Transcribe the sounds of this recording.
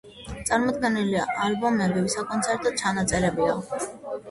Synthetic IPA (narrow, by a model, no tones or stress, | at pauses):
t̪sʼaɾmɔd̪ɡɛniliaʔalbɔmɛbiwisakʼɔnsʰɛɾt̪ʼɔt̪̚t͡ʃʰanat̪sʼɛɾɛbua